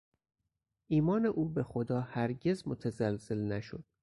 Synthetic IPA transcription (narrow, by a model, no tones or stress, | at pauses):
ʔiːmɒːne̞ʔuːbe̞xod̪ɒːhæɾɟe̞zmot̪ʰæzælz̥e̞lnæʃod̪̥̚